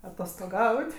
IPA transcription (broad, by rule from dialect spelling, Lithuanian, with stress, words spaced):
ɐtoːstoːˈɡɐʊtʲ